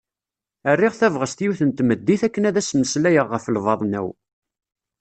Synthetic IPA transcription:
ərːiʁθævʁəst̪juwθənt̪məd̪ːiθækːənæðæsməslæjəʁːəfəlvɑðˤnæ̰w

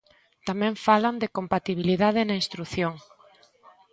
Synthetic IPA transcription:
t̪amɛ̃ɱfaland̪ekompat̪iβ̞iliðað̞ɪnaĩnst̪ɾuθjoŋ

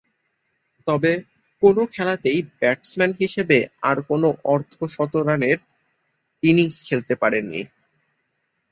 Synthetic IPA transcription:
t̪ɔbe | konokʰɛlat̪ejbɛʈsmɛnɦiʃebeaɾkonoʔɔɾt̪ʰoʃɔt̪oɾaneɾ | iniŋskʰelt̪epaɾenːḭ

